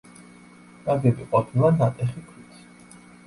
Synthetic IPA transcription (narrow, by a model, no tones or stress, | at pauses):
naɡ̪ɛbiqʼɔpʰilˠanat̪ʼɛχikʰɾit̪ʰi̥